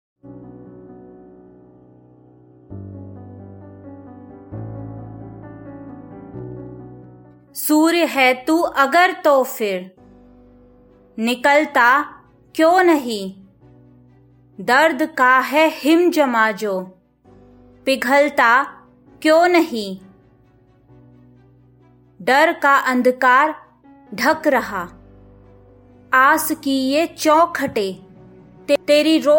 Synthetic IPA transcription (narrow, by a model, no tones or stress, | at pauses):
suːɾjɦɛːt̪uːʔɐɡəɾt̪oːfʰɪɾ | nɪkəlt̪aː | kjoːnɐɦĩː | d̪əɾd̪kaɦɛhɪmd͡ʒɐmaːd͡ʒoː | pɪɡʱəlt̪a | kjõːnəɦĩ | d̪əɾkaʔɐ̃nd̪ʱkaːɾ | ɖʱɐkɾɐɦaː | aːskiet͡ʃɔ̃ːkʰəʈeː | t̪et̪eːɾiɾoː